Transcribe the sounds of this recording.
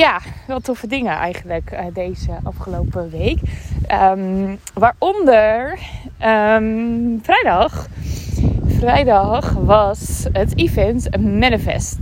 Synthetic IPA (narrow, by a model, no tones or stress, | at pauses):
jaʋɛlˠtɔfədɪŋəʔɛ̰jχənləkədejzəʔɑ̰fχəlowpəʋejkəmʋaːɹʔɔndəɹə | frɛjdɑχ | frɛjdɑχʋɑsətifɛntmɛnəfɛ̰st